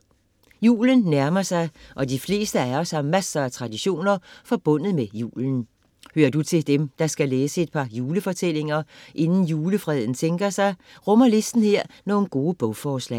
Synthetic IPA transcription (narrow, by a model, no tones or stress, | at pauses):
jṵːlənːæɐmɐsɑ̈ɪʔɒ̽d̥ifle̝̰ːsd̥əæɐɒsɑmːæsɐæt͡sʰʁɑ̈d̥iɕo̝̰ːnɐfɒ̽b̥ɔ̽n̰ð̞̩ˠmejṵːlən̩ | høːɐd̥ut͡sʰe̝ld̥emd̥ɑ̈sɡ̥æleːsəe̝d̥̚pʰɑ̈juːləfɒ̽t͡sʰel̰e̝ŋɐʔe̝nn̩juːləfʁɛːð̞ˠn̩t͡sʰeŋɡ̥ɐsɑ̈ɪʁɔmɐle̝sd̥n̩heɐ̰no̝ːn̩ɡ̥o̝ːəb̥ɔʊfɒːslɛ̰ːɪ